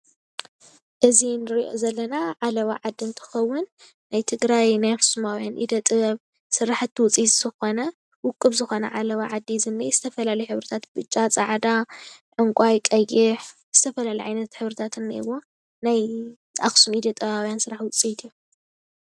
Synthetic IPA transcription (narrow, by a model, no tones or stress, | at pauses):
ʔɨzinɨɾiʔo̞̰zɐlːɐnaʕalɐβaʕad̪ːint̪ʰɨ̥xɐwːʊnː | ajt̪ʰɨɡɾajnajaxsumawjanʔḭd̪ɐt̪ʼɨβɐβ | sɨɾaħɨt̪ʰːwʊt͡sʼit̪ʼz̥ɨxo̞nɐ | wʊkʼːɨβzɨxo̞nɐ̰ʕalɐβaʕad̪ːizɨnːijzɨt̪ʰɐfɐlalɐjħɨβɾɨt̪ʰat̪bɨt͡ʃʼːat͡sʼaʕd̪aʕɨŋkʷʼajkʼɐjɪħz̥ɨt̪ʰɐfɐlalɐjʕa̰jnɐt̪ħɨβɾɨt̪ʰat̪ʰɨnːa̰ɨwo̞ | naj | ʔaxsumid̪ɐt̪ʼɐβawjansɨɾaħwʊt͡sʼit̪ʰiu